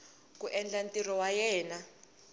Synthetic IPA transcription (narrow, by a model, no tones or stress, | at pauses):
k̬ʼuʔɛnd͡ɮantʼirɔwajɛːna